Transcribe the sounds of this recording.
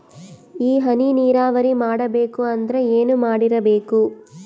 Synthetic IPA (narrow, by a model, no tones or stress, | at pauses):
iːɦɐniniːɾaːʋɐɾimaːɽɐbe̞ːkuɐnd̪ɐɾeeːnumaːɽiɾɐbeːku